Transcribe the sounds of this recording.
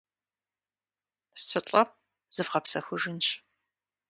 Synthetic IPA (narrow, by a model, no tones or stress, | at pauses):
sɨt͡ɬʼɐ | z̥ɨvʁɐpsɐxʷʊʒɨnʃ